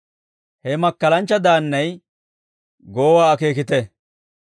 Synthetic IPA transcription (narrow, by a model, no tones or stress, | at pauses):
hɛmɐkːɐlɐnt͡ʃːɐd̪aːnːɐj | ɡoːwaːke̞ːk̬ɪt̪ɛ